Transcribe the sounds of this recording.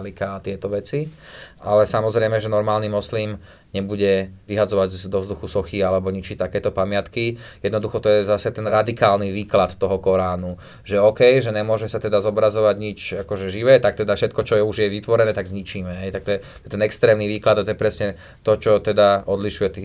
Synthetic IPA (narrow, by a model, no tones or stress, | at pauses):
likaːt̪ɪɛt̪ɔʋɛt͡siʔalɛsamɔzɾɛɪmɛʒɛnɔɾmaːlnimɔsliːm | ɲɛbuɟɛʋiɦad͡zɔʋaɟd̪ɔvzd̪uxusɔxialɛbɔɲit͡ʃit̪akɛːt̪ɔpamɪat̪kijɛd̪nɔd̪uxɔt̪ɔjɛzasɛt̪ɛnɾad̪ikaːlniʋiːklat̪t̪ɔɦɔkɔɾaːnu | ʒɛɔkɛjʒɛɲɛmʊɔʒɛsat̪ɛd̪azɔbɾazɔʋaɟɲit͡ʃakɔʒɛʒiʋɛːt̪ak̚t̪ɛd̪afʃɛt̪kɔt͡ʃɔjɛuʒjɛʋit̪ʋɔɾɛnɛːt̪aɡzɲit͡ʃiːmɛɦɛjt̪akt̪ɔjɛt̪ɔjɛt̪ɛnɛkst̪ɾɛːmniʋiːklad̪at̪ɔjɛpɾɛsɲɛ | t̪ɔt͡ʃɔt̪ɛd̪aɔd̪liʃujɛt̪i